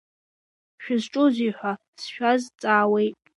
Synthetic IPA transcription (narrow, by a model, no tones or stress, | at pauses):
ʃᶣʊzʈ͡ʂʼʊziħʷa | sʃᶣazt͡sʼaːwe̞jtʼ